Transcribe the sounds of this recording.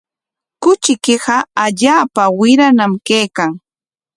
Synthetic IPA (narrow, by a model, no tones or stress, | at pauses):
kʊt͡ʃɪkɪɢɑaʎaːpawɪɾanamkejkaŋ